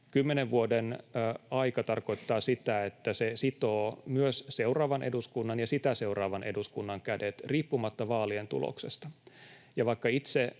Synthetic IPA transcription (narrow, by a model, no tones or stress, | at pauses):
kymːeneʋʋuodenɑikɑt̪ɑrko̞it̪ːɑːsit̪æet̪ːæsesit̪oːmyøsseurɑːʋɑnʔeduskunːɑnjɑsit̪æseurɑːʋɑnʔeduskunːɑŋkædet̪riːpːumɑt̪ːɑʋɑːlient̪ṵlo̰ksḛst̪ɑ | jɑʋɑikːɑit̪se